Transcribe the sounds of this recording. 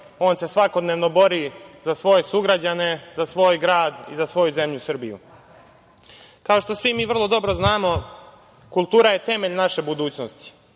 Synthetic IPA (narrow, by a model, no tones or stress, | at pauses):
o̞ːnse̞sʋako̞d̪neːʋno̞bo̞ɾizasʋo̞je̞suɡɾad͡ʑane̞zasʋo̞ːjɡɾaːd̪ḭzasʋo̞juze̞mʎusr̩bijṵ | kao̞ʃt̪o̞sʋimiːʋr̩lˠo̞d̪o̞bɾoznaːmo̞ | kulˠt̪uːɾaje̞t̪e̞me̞ʎnaʃe̞bud̪uːt͡ɕnost̪i̥